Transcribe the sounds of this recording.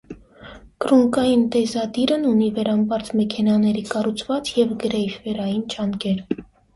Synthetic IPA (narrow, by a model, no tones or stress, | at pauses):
kɾuŋkɑjint̪ɛzɑd̪iɾənunivɛɾɑmbɑɾt͡smɛkʰɛnɑnɛɾikɑrut͡sʰvɑt͡sjɛvɡəɾɛjfvɛɾɑjint͡ʃɑŋkɛɾ